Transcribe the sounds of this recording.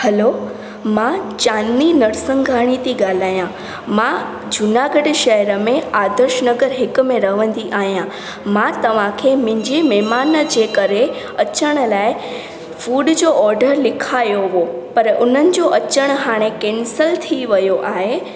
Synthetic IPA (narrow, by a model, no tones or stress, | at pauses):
hɐlo | mãt͡ɕaːninɐɾsə̃ŋɡʱaːɽ̃it̪iɠaːl̤aːjã | mã | d͡ʑʊnaːɡəɖʃɐɦəɾə̆mẽaːd̪əɾʃnɐɡəɾɦɪkʊ̆mẽɾɐɦʋə̃nd̪iʔaːɦijã | mãt̪ɐʋ̤ãkʰeːmɪ̃ɦɪ̃ɲd͡ʑimɛːmaːnəd͡ʑeːkɐɾe | ɐt͡ɕəɽ̃laːɪ | fuːɖd͡ʑoːʔɔːɾɖəɾlɪkʰaːjoʋopɐɾʔʊn̤ənɪ̆d͡ʑoʔɐt͡ɕəɽ̃ɦaːɽ̃ekeːnsəlt̪ʰiʋɐjoʔaːɦeː